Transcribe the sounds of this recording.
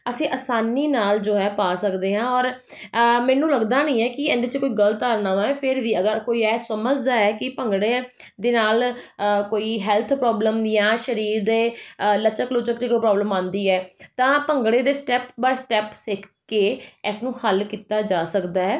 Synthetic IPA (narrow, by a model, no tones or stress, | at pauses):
əsĩːʔəsaːniːnaːld͡ʒoːɛːpaːsəkd̪eːɦãːɔːɾ | mɛːnũːləɡd̪aːnĩːɛːkɪɛ̃ːnd̪eːt͡ʃekoːiːɡələt̪aːɾnaːʋãːɛ̃ːpʰɪɾʋiːəɡəɾkoːiːɛːsəməd͡ʒd̪aːɛːkɪpəŋɡɽeː | d̪eːnaːlkoːiːɦɛːlt̪ʰpɾɔːbləmjãːʃəɾiːɾd̪eːlət͡ʃəklʊt͡ʃəkt͡ʃekoːiːpɾɔːbləmãːnd̪iːɛːt̪ãːpəŋɡɽeːd̪eːsʈɛːpbaːsʈɛːpsɪkʰkeːɪsnũːhəlkiːt̪aːd͡ʒaːsəkd̪aːɦɛː